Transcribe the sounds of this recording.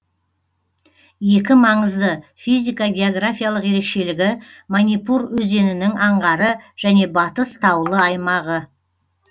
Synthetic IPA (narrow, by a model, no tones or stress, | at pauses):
je̞kʲɪmɑɴəzd̪əfijzʲijkaɡʲe̞oɡrafʲijalˠəqje̞ɾe̞kʃe̞lɪɡʲɪmanijpuɾwɵze̞nɪnɪŋɑɴʁɑɾəʒ̥æne̞bɑt̪əst̪ʰɑwlˠəɑjmɑʁə